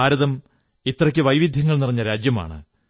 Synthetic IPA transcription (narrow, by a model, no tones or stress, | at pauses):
aːɾɐðɐm | it̪ːrɐkʲːɨʋɐjʋid̪ʱjɐŋːɐɭniriɲːɐɾaːd͡ʑjɐma̰ːɳɨ̰